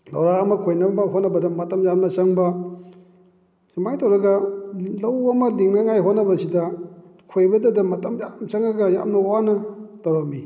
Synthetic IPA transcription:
lawɾaɐmɐkʰojnɐbɐɦotnɐbɐdɐmɐtɐmzamɐsɐŋbɐ | simajtɐwɾɐɡɐlɐwɐmɐliŋnɐŋajɦotnɐbɐsidɐkʰojbɐdɐdɐmɐtɐmjamsɐŋɐɡɐja̰mnɐwanɐtawɾɐmi

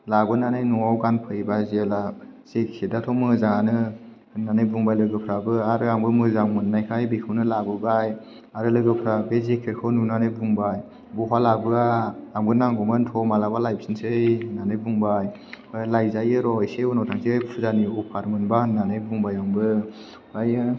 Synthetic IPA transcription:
labɯnanajnuŋawɡanpʰɯibazlaz̥ekʰedatʰɔmɯzaŋanɯ | ɯnːanɯjbuŋbajlɯɡɯpʰɾabɯaɾɯaŋbɯmɯzaŋmɯnːajkʰajbikʰɯwnɯlabɯbaj | aɾɯlɯɡɯpʰɾabezekʰeɾkʰɯnunanɯbuŋbaj | buɦʰwalabɯaaŋbɯnaŋɡɔmɯntʰɔmalabalajp̚sinsɯjnanɯjbuŋbaj | lajzajɯɾɔjseunɔtʰaŋsejpʰuzaniɔpʰaɾmɯnbahɯnːanɯjbuŋbajaŋbɯ | baj

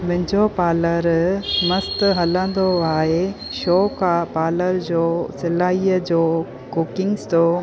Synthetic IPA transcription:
mɐ̃ɦɪ̃ɲd͡ʑopaːləɾmɐst̪ɦɐlə̃nd̪oaːɦe | ʃoːkapaːləɾd͡ʑoːsɪlaːiəd͡ʑoː | kʊkɪ̃ŋɡst̪o

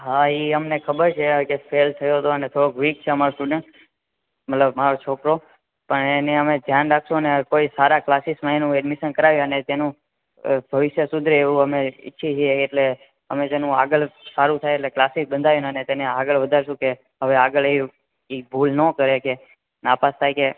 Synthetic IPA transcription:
ɦaiəmnekʰəbəɾt͡ʃʰekefelt̪ʰəjot̪oənet̪ʰoɾoɡʋik̚t͡ʃʰeəmaɾosʈuɖẽɳʈ | mət̪ləbmaɾot͡ʃʰokɾo | pəɳeneəmed͡ʒ̪ʱjanɾakʰʃoənekoisaɾaklasismãenũɛɖmiʃənkəɾaʋjũənet̪enũ | bʱəʋɪʃjəsʊd̪ʱɾeʋũəmeɪ̰tːʃʰit͡ʃieːʈle | ə̰met̪enũaɡəɭsaɾũt̪ʰajeʈleklasɪsbənd̪ʱaʋjũnənet̪eneaɡəɭʋəd̪ʱaɾʃũke | ɦəʋeaɡəɭi | ibʱulnəkəɾeke | napast̪ʰajke

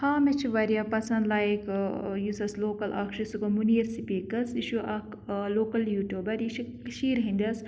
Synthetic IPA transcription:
haːmet͡ʃʰiʋɐɾijapɐsɐnd̪lajekjusɐsloːkɐlʔɐ̰kʃusukɐmuniɐɾsipikɐsiʃuʔɐk | loːkɐljuːʈoːbɐɾiʃikʃiːɾɦĩnd̪ʲɐs

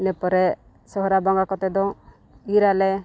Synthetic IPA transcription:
nɛpɔɾɛ | sɔɦɔɾabɔŋɡakɔt̪ɛd̪ɔ | iɾalɛ

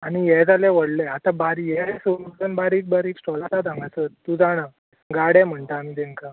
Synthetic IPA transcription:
aɽ̃ijɛd͡zaleʋəɽleat̪abaɾijɛesomud͡zənbaɾiːk̚baɾiːksʈɔlat̪ad͡z̪ʱãŋɡasət̪t̪ud͡zaɽ̃a | ɡaɽem̤əɳt̪aːmid̪ẽŋka

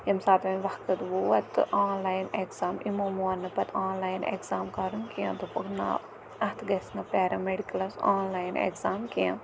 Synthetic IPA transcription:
jɐmsaːt̪ʰʋɐmʋɐhkɐt̪ʋoːɐt̪ɨ̰ʔaːnlaːjnekzaːmimomuːɐnːɐpɐt̪ʰaːnlaːjnḛkzaːmkɐɾunkijɐ̃t̪upukna̰ | ɐt̪ʰɡɐsnɐpeːɾɐmeɖikɐlɐsaːnlaːjnḛkzaːmkiɐ̃

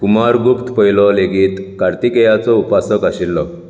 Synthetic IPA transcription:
kumaɾɡupt̪pəjlɔleɡiːt̪kaɾt̪ikejat͡sɔupasəkaɕilːɔ

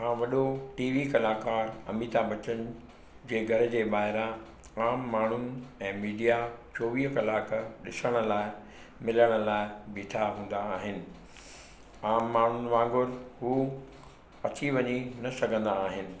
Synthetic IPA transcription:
ɦãːʋɐɗoʈiːʋikɐlaːkaːɾɐ̰miːt̪abɐt͡ɕən | d͡ʑeːɡʱɐɾə̆d͡ʑeːɓaːɦɪɾã | aːmːaːɳ̤ʊnɪ̆ɛ̃ːmiːɖijat͡ɕoːʋiːɦkɐlaːkɗɪsəɽ̃ə̆laːɪ | mɪləɽ̃ə̆laːɪbiːʈʰaɦũːn̆d̪aːɦɪnɪ̆ | aːmːaːɳ̤ʊn̆ʋãːŋɡʊɾɦuː | ɐt͡ɕiʋɐɲinɐsɐɡʱə̃nd̪aːɦɪnɪ̆

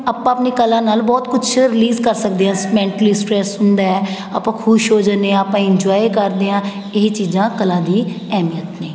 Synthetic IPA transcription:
aːpãːəpniːkəlãːnaːlbɔːt̪kʊt͡ʃʰɾɪliːzkəɾsəkd̪eːãːsmɛ̃ːɳʈəliːsʈɾɛːsɦʊnd̪aːɛː | aːpãːkʰʊʃɦoːd͡ʒaːneãaːpãːɪɲd͡ʒɔːikəɾd̪eːãː | ɪɦit͡ʃiːzãːkəlãːd̪iː | ɛːmijət̪nẽː

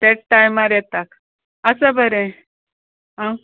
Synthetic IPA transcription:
t̪eʈʈajmaɾjɛt̪ak | əsəbʱəɾẽ | ã

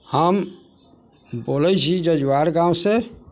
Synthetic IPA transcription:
həm | boːlət͡ʃʰid͡ʒəd͡ʒwaːɾɡãwse

